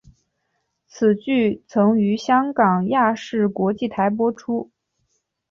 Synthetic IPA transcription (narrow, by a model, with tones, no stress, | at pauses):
t͡sʰɹ̩˨˩t͡ɕy˥˩t͡sʰɤ˧˥ŋy˧˥ɕjɑ˥ŋkɑ˨˩ŋja˥˧ʂɻ̩˥˩kwɔ˧˥t͡ɕi˥˩t̪ʰa˧˥ɪp̬wɔ˥ʈ͡ʂʰu˥